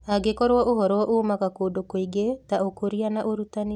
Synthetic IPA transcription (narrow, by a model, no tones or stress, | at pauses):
aɡekɔɾwɔʔoɦɔɾwɔʔomakakodokoiɡetaokoɾianaʔoɾutane